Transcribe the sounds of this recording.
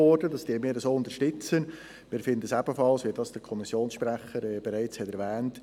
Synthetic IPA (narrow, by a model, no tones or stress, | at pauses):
ɔɾdədɑsd̥iːəmɪːɾəsoːʊnd̪əɾʃtʏt͡sən | mɪːɾfɪndəsæb̥əfɑlsʋiːdɑsd̥əɾkʰɔmisjoːnsʃpɾæχəɾɛb̥ɛɾæɪt͡shɛtɛɾvɛːnt